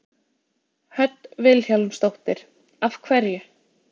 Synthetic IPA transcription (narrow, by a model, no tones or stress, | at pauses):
hœt̪vɪðlçjalʏmst̪owht̪ɪɾ̥ | afkʰvɛɾjʏ